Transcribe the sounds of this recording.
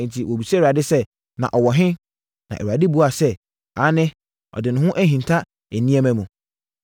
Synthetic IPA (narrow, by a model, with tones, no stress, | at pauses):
n̩˨tʰi˨wʔo˨bi˨sɛ˦˨a˨dɪ˦sɛ˦ | nã̰˨ʔɔ˨wɔ˨ɦɪ̃˦ | nã̰˨ʔɛ˨a˨dɪ˦bu˦a˨sɛ˦ | a˨˦nɪ̃˦ | ɔ̰˨dɪ˨nʊ̃˨˦ɦʊ̃˦ʔæ˦ɦĩ˨n˨tʰa˦ | æ˨nĩ˦æ˦mæ̃˦mũ˨